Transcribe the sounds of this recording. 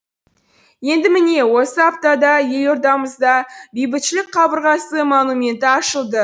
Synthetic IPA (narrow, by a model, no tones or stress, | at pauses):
je̞nd̪ɪmɪne̞wo̞səɑp̚t̪ɑd̪ɑje̞lo̞ɾd̪ɑməzd̪ɑbejbɪt̪ʃɪlɪk̚qʰɑbəɾʁɑsəmonumʲe̞nt̪ɪɑʃəlˠd̪ə